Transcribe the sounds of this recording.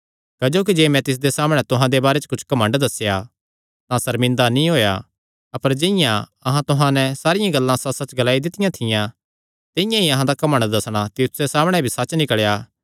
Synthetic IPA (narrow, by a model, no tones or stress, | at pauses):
kɐd͡ʒoːk̬id͡ʒeːmɛ̃t̪ɪs̬d̪esaːmɽ̃ɛt̪ʊɦãd̪ebaːɾɛt͡ʃə̥kʊt͡ʃʰkɐmə̃ɳɖd̪ɐsja | t̪ãsɐɾmɪ̃nd̪anĩɦoːja̰ | ɐpəɾd͡ʒɪɪjãɐɦãt̪ʊɦãnɛsaːɾɪjãɡɐlːãsɐsɐt͡ʃɡɐlaːid̪ɪt̪ɪjãt̪ʰɪjã | t̪ɪjãɦiɐɦãd̪akɐmə̃ɳɖd̪ɐsɽ̃at̪iut̪sesaːmɽ̃ɛbʱisɐt͡ʃnɪkəɭjaː